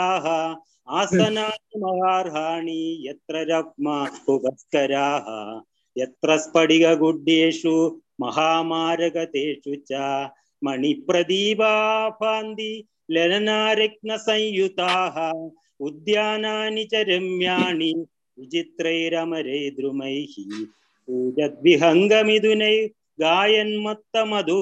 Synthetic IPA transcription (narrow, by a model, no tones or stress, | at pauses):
aːɦɐ | aːsɐnaːnimɐɦaːɾɦaːɳijɐt̪ɾɐɾɐp̚mɐubɐskɐɾaːɦɐ̰ | jɐt̪ɾɐspɐɽiɡɐɡuɖːeːʂu | mɐɦaːmaːɾɐɡɐt̪eːʂut͡ʃaː | mɐɳipɾɐd̪iːʋaːpʰaːnd̪i | leɾɐnaːɾɐk̚nɐsɐ̃jjut̪aːɦɐ | ud̪jaːnaːnit͡ʃɐɾemjaːɳi | ʋit͡ʃit̪ɾɐjɾɐmɐɾɐjd̪ɾumɐjhi | puːd͡ʒɐd̪ʋiɦɐŋɡɐmid̪unɐj | ɡaːjɐnmɐt̪ːɐmɐd̪ʱu